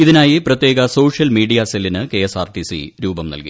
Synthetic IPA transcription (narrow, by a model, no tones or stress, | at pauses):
iðinaːjiprɐt̪je̞ːɡɐso̞ːʂjɐlmiːɖijaselːinɨkeesaːrʈisḭɾuːbɐmnɐ̰lkḭ